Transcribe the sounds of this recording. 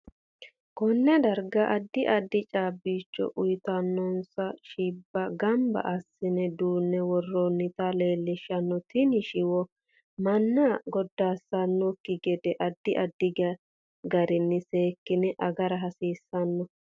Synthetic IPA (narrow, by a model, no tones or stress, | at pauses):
kɔnːɛd̪ɐɾɡɐʔɐd̪ːɪʔɐd̪ːɪt͡ʃʼaːbiːt͡ʃːɔ̰ʔʊjt̪ɐnːɔnsɐʃiːbːɐɡɐmbɐ̰ʔɐsːɪnɛd̪uːnːɛwɔrːɔnːɪt̪ale̞ːlːɪʃɐnːɔt̪ɪnɪʃɪwɔ | mɐnːɐɡɔd̪ːaːsɐnːɔkːɪɡɛd̪ɛʔɐd̪ːɪʔɐd̪ːɪɡɐ | ɡɐɾɪnːɪseːkːɪnɛʔɐɡɐɾɐɦɐsiːsːɐnːɔ